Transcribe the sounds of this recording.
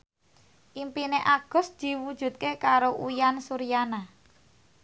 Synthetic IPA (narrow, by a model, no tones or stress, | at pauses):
ʔimpineʔaɡ̥ɔ̤sd̪̥i̤wud̥ʒ̥ṳt̪̚kekaɾoʔujansuɾijana